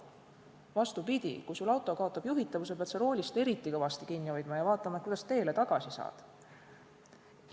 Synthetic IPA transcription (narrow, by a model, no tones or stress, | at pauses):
vɑst̪upid̪̥ʲḭkujsulɑwt̪ˑo̞kɑo̞t̪ˑːɑb̥juɦit̪ːˑɑvus̬e̞pet̪seɾo̞ːlʲist̪e̞ɾit̪ˑːikɑvɑst̪ikinːio̞jd̪̥mɑjɑvɑːt̪ˑːɑmɑet̪kud̥̪ɑ̥st̪e̞ːle̞t̪ɑɡ̥ɑsisɑ̰ːd̪̥